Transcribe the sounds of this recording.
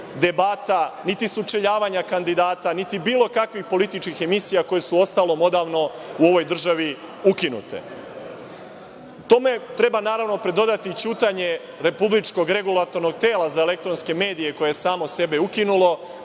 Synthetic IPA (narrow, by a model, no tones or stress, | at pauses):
d̪e̞bat̪anit̪isut͡ʃe̞ʎaːʋaɲakand̪id̪aːt̪anit̪ibiːlo̞kakʋixpo̞lit̪it͡ʃkixe̞misijako̞je̞suo̞st̪alo̞mo̞d̪aːʋno̞uo̞ʋo̞jd̪r̩ʒaʋi | ukinṵt̪e̞̰ | t̪o̞me̞t̪ɾe̞banaːɾaʋno̞pɾe̞d̪o̞d̪at̪it͡ɕuːt̪aɲe̞ | ɾe̞publit͡ʃko̞ɡɾe̞ɡulˠat̪o̞ɾno̞ɡ̚t̪e̞ːlazae̞le̞k̚t̪ɾo̞nske̞me̞ːd̪ije̞ko̞jeesaːmo̞se̞beukinulo̞